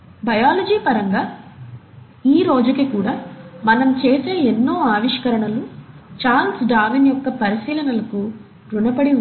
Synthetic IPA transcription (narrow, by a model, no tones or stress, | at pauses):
bɐjaːlɐd͡ʒiːpɐɾɐŋɡaː | iːɾo̞ːd͡ʒukikuːɽaːmɐnɐmt͡ʃeːse̞ːenːo̞ːaːʋiʂkɐɾɐɳɐlut͡ʃaːnsɖaːʋinjɔkːɐpɐɾisiːlɐnɐlɐku | ɾunɐpɐɽi